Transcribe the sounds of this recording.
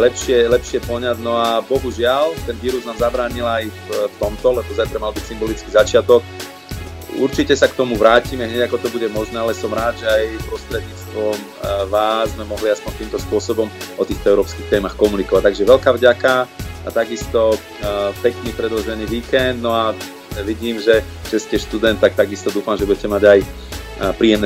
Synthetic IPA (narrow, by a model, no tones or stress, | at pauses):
lɛpʃɪɛlɛpʃɪɛpɔɲaɟnɔabɔɦuʒɪalt̪ɛnʋiːɾuznaːmzabɾaːɲilajfft̪ɔmt̪ɔlɛbɔzajt̪ɾamalbicsimbɔlit͡skizat͡ʃɪat̪ɔk | ṵɾt͡ʃicɛsakt̪ɔmuʋɾaːcimɛɦɲɛɟakɔt̪ɔbuɟɛmɔʒnɛːalɛsɔmɾaːd̪ʒɛajpɾɔst̪ɾɛd̪ɲiːt͡st̪ʋɔm | ʋaːzmɛmɔɦliaspɔɲt̪iːmt̪ɔspʊɔsɔbɔmʔɔt̪iːxt̪ɔɛʊɾɔːpskixt̪ɛːmaxkɔmunikɔʋac̚t̪aɡʒɛʋɛlkaːvɟakaat̪aɡist̪ɔ | pɛkniːpɾɛd̪lɔʒɛniːʋiːkɛnd̪nɔa | ʋiɟiːmʒɛ | ʒ̥ɛscɛʃt̪ud̪ɛnt̪t̪ːak̚t̪aɡist̪ɔd̪uːfamʒɛbuɟɛcɛmaɟaj | pɾiːɛmnɛ